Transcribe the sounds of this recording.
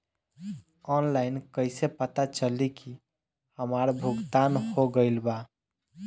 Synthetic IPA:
ɔnlaɪnkəɪsepət̪at͡ʃəliki | həmaɾbʱuɡt̪anhoɡəɪlba

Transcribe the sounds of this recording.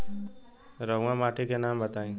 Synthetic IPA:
ɾʌũɦãmaʈʰikenambət̪aĩ

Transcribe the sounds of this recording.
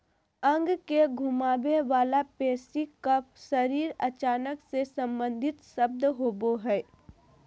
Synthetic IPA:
ə̃ŋɡkeɡʱʊmaːʋeʋaːlapɛːsikapsəɾiːɾɐt͡ʃaːnəksesə̃mbə̃nd̪ʱɪt̪ʃəb̚d̪ɦoːboɦɛː

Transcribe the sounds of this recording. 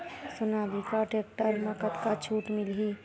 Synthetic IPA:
sʊnaːbʱikaʈeːk̚ʈəɾməkət̪kat͡ʃʰuːʈmɪlɦi

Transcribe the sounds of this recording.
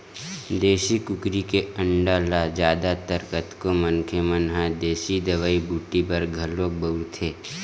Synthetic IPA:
d̪eːʃikʊkɾikeə̃ɳɖaːlad͡ʒjaːd̪at̪əɾkət̪komənkʰəmənɦad̪eːʃid̪əʋaːibʱuːʈipɐɾɡʱɐlõbəʊɾt̪ʰeː

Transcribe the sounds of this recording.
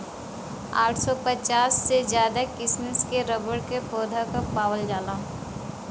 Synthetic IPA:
aːʈʰsɔpət͡ʃaːsːezjaːd̪akɪsnəskeɾəbəɽkepɔːd̪ʱakapaːwəld͡ʒaːlaː

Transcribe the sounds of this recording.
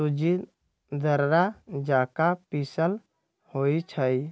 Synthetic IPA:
ud͡ʒi | d̪əɾɾad͡ʒaːkapisəl | hoːit͡ʃʰəi

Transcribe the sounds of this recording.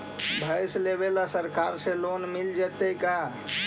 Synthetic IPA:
bʱəjsleβelasəɾkaɾselonmild͡ʒɛt̪ejka

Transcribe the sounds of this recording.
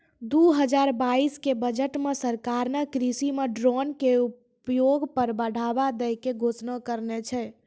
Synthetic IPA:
d̪uɦəd͡ʒaɾbaiskebəd͡ʒəʈmesəɾkaɾnəkɾisimeɖɾɔnkeu | pjoɡpəɾbəɽ̤abad̪ɛjkeɡʱot͡ʃnəkəɾnet͡ʃʰɛ

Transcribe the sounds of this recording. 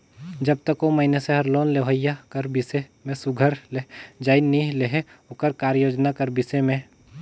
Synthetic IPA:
d͡ʒəb̚t̪əkoməɦɪneseɦɐɾloːnleʋəjːakəɾbɪsemẽsʊɡʱəɾled͡ʒaːɪnileɦeʊkəɾkaːɾjoːd͡ʒnakəɾbɪsemẽ

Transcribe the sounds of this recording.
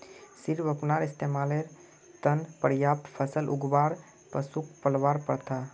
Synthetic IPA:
sɪɾʋəpnaːɾɪst̪eːmaːleɾ | t̪ənpəɾjaːp̚t̪pʰəsəlʔʊ̰ɡʋaːɾ | pəsukpəlʋaːɾpəɾt̪aː

